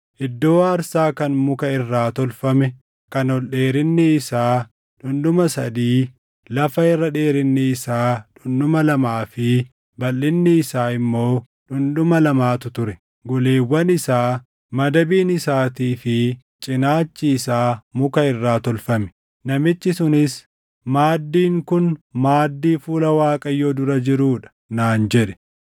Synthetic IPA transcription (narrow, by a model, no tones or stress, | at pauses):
ʔɪd̪ːo̞ːaːɾsaːkɐnmʊkɐɪrːaːt̪ɔlfɐmɛ | kɐnɔlɗe̞ːɾɪnːɪɪsaː | ᶑʊnᶑ̪ʊmɐsɐ̰d̪iː | lɐfɐɛrːɐᶑe̞ːɾɪnːɪɪsaːᶑʊnᶑ̪ʊmɐlɐmaːfɪ | bɐlːɪnːɪɪsaːɪmːoː | ᶑʊnᶑ̪ʊmɐlɐmaːt̪ʊt̪ʊɾɛ | ɡʊleːwːɐnɪsaː | mɐd̪ɐbiːnɪsaːt̪iːfɪ | t͡ʃʼɪnaːt͡ʃːɪːsaːmʊkɐɪrːaːt̪ɔlfɐmɛ̥ | nɐmɪt͡ʃːɪsʊnɪs | maːd̪ːiːŋkʊnmaːd̪ːiːfuːlɐwaːkʼɐjːoːd̪ʊɾɐd͡ʒɪɾuːᶑɐ̥ | naːnd͡ʒɛᶑɛ̥